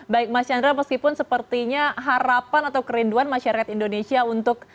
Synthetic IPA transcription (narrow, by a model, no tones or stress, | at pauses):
baɪk̚mat͡ʃandɾaməskipʊnsəpərt̪iɲaɦaɾapanat̪awkəɾinduanmaʃaɾakat̪indonesiaunt̪ʊk̚